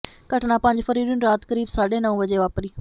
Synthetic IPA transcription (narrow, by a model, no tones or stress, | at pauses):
kəʈnapɐ̃ɪɲd͡ʒfəɾiːɾʊnɾaːt̪kəɾiːbsaːɗẽnɐʋũʋəd͡ʒeʋaːpɾiː